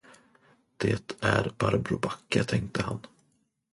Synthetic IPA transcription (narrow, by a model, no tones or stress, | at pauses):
d̪̥eːt̪ʰæɾbaɾbɾʊbakːət̪ʰɛŋkt̪əhan